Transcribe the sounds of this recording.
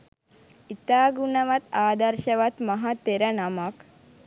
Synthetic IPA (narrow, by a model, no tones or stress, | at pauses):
it̪aːɡunəʋat̪aːd̪ɐɾʃəʋat̪mɐɦat̪ːeɾənamak